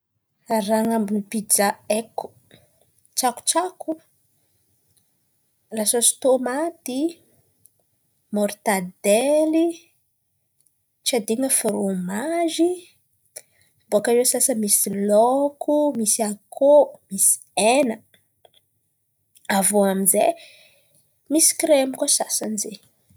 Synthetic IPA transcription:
aɾaŋambunipid͡ʒaeku̥ | t͡ʃaku̥t͡ʃaku | lasosi̥t̪omat̪i | mɔɾt̪ad̪eli | t͡ʃad̪iŋəfoɾomaʒi | boakaɾesasəmisilokʰumisiakʰomisi̥enə | avoamize | misi̥kɾemikosasanze

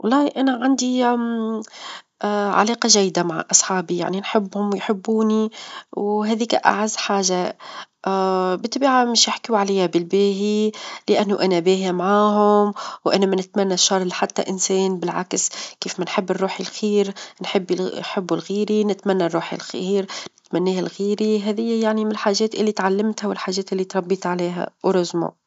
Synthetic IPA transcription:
wɑlˤːɑːʔanaʕand̪i | ʕa̰leːqɑʒæjːd̪amaʕa̰ʔɑsˤħɑːbija̰ʕninħɪbːhʊmwjħɪbːuːniwɦæːðiːka̰ʔa̰ʕazːħaːʒaʔbɪt̪ːbaːʕamɪʃjɪħkuʕalæjːabɪlbeːɦilɪʔanːʊʔanabeːhimaʕaːɦʊmwʔanamanɪt̪manːaʃːɑɾˤlħat̪ːa̰ʔɪnseːnbɪlʕa̰kskeːfmanħɪbːɪrˤːuːħilxiːɾnħɪbːħɪbːulɣiːɾinɪt̪manːarˤːuːħḭlxiːɾnɪt̪manːiːhalɣiːɾiɦæːðɪjːajaʕnimɪlħaːʒɛːt̪ʔɪlːit̪ʕalːɪmt̪hawɪlħaːʒɛːt̪ʔɪlːit̪ɾˤɑbːiːt̪ʕaleːɦa̰wɾˤʊzmṵ

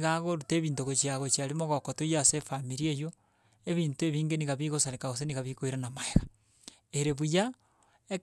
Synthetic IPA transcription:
ɣaɣoɾuteːβiːntoɣot͡ʃiaɣot͡ʃiaɾimoɣokotujasefamiɾiejo | eβiːntueβiːŋɡeniɣaβiɣosaɾekaɣos̬eniɣaβikoiɾanamaeɣḁ | eɾeβuja | e

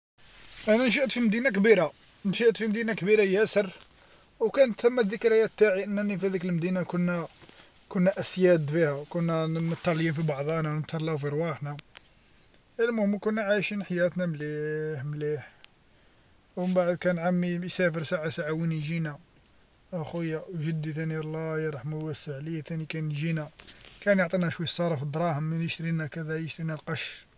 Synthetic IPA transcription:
ʔænænʃ̬əʔt̪fimd̪inak̬biɾa | nʃəʔt̪fimd̪inakbiɾajæsərˤ | wkænət̪əmːæðəkɾæjæt̪ːaʕiʔənːænifihæd̪ikəlmd̪inakʊnːæ | kʊnːæʔæsjæd̪fihæwkʊnːæmət̪ːɑljinfibɑʕd̪ˤænænət̪ʰːɑɾˤlɑfiɾˤwɑħnæ | əlmʊhəmːkʊnːæʕajʃinħajæt̪næmliħmliħ | wəbaʕəd̪kænʕamːijsæfəɾsaʕasaʕawiniʒinæ | ʔæxujːæwʒəd̪ːit̪ænilːɑjɑɾˤɑħmæwæsəʕləjːæt̪ænikænʒinækænjoʕt̪ˤinæʃwəjəsˤːɑɾˤɑfid̪ɾˤɑhəmːənəʃt̪ɾinækæd̪æjəʃt̪ɾinælqɑʃ

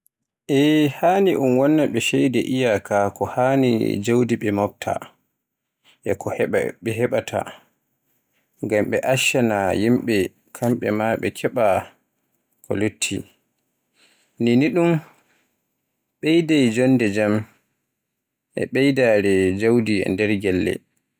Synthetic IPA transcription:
ʔɛhaːniʔunwɔnːaɓɛʃɛjdɛʔijakʰakɔhanḭd͡ʒawdiɓɛmɔp̚tʰa̰ | ʔɛkʰɔ̰ɓɛɦɛɓatʰa̰ | ŋɡamɓɛ̰ʔaʃanajimɓɛ | kʰamɓɛ̰maɓɛ̰kʰɛɓa | kʰɔ̰lotʰːi | niniɗum | ɓejdajd͡ʒɔndɛd͡ʒam | ʔɛ̰ɓɛjdaɾɛd͡ʒawdiɛ̰ndɛɾɡɛlːɛ̰

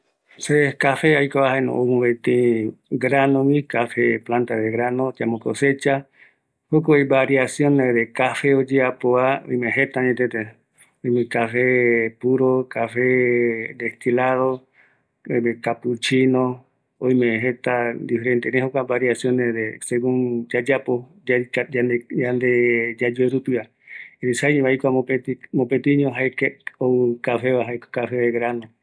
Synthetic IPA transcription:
sekafeajkaahaenõ̰omũβet̪ĩɡɾanõwĩkafeplãnt̪aðeɣɾanõt͡ʃamokoset͡ʃa | hokoibaɾiasjõneðekafeod͡ʒeapoao̰jmẽɦet̪aɲẽt̪et̪ẽ | ojmẽkafepuɾokafed̪est̪ilaðo | ojmẽkapɨt͡ʃinõ | õj̃mẽɦet̪and̪ifɾent̪eɾẽɦokʷabaɾjasjõneɾeseɣũŋd͡ʒad͡ʒapo | eand̪ed͡ʒad͡ʒueɾupia | eɾisajɲ̃βaijkʷaoetimõpet̪iɲõɦaekeowɨkafeβaɦaekkafeɡɾanõ

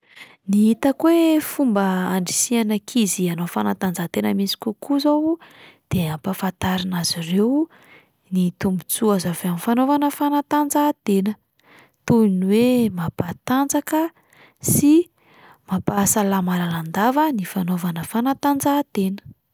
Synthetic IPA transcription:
niit̪əkwefumbəːɳɖ͡ʐisianəkʰizianofanat̪and͡zat̪enəmisi̥kʲukuzowd̪̥eampafant̪aɾinazirew | nit̪umbut͡suazavamifanovanəfanat̪and͡zad̪enə | t̪ujunwemab̥at̪and͡zakə | si | mabasalamalaland̪avənifanovanəfanat̪and͡zad̪enə̥

